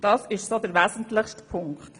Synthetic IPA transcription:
d̥ɑsɪʃsodəɾʋæːzən̩tlɪχʃtpʰʊŋkχt

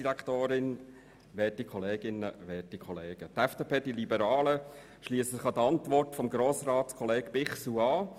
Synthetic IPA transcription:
iɾækt̪oːɾɪn | ʋɛːtikχɔleːɡ̥ɪnə̰ʋɛːtikʰɔleːɡ̥ətɛfd̥eːpʰeːdilibəɾɑːlə | ʃliːssɪχɑd̪əɑntʋɔrtfɔmɡɾoːsrɑːtskʰɔleːɡ̥b̥ɪχsuɑː

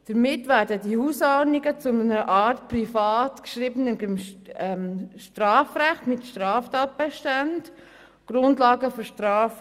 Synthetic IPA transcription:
d̥əɾmɪtʋæːɾdədihusɔɾniɡət͡sʊnəɾəʔɑːɾtprifɑːtkʃɾiːbənəbɪmɛmʃtrɑːfræχtmɪtʃtɾaːftɑːt̚b̥ɛʃtand | ɡ̥ɾʊndlɑːɡəfɔɾʃtrɑːf

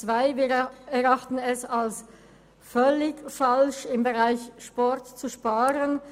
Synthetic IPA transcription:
t͡sv̥aɪbɛʁɑχtn̩ɛsals | fœlɪkfalʃɪmbəʁaɪçʃpɔɾtt͡suʃpaːʁən

